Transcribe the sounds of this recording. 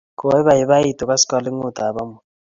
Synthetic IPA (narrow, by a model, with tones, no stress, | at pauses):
kʼɔ˨wɛ˦βaɦi˨βa˦i˦tʼɔ˨k̬ʼa˦si̥kʼa˨li˦ŋu˨d̥̪ʱaː˨ɓa˦mu˨